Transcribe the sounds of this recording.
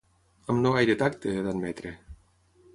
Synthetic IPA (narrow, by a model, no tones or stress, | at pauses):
amnoajd̪et̪akt̪eeðanmet̪ɾe